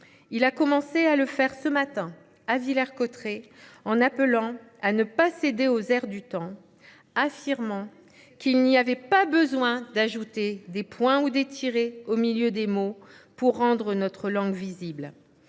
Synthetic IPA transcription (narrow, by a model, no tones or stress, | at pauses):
ilakɔmɑ̃sealəfɛʁsəmat̪ɛ̃ | avilɛʁkɔt̪χeɑ̃napəlɑ̃anəpased̪eozɛʁd̪yt̪ɑ̃ | afiʁmɑ̃ | kilniavɛpabəzwɛ̃d̪aʒut̪ed̪epwɛ̃ud̪et̪ʰiʁeomiljød̪emo | puʁːɑ̃d̪ʁənɔt̪χəlɑ̃ɡvizibl